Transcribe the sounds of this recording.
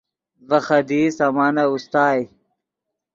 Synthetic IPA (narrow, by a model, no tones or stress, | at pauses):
vɐxɐd̪iːsaːmaːnaust̪aːj